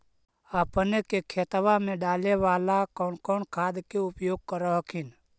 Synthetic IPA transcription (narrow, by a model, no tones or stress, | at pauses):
əpnekekʰeːt̪ʋamẽɖaːleʋaːlakɔːnkɔːnkʰaːd̪keʊpjoːɡ̚kəɾɔɦkʰɪn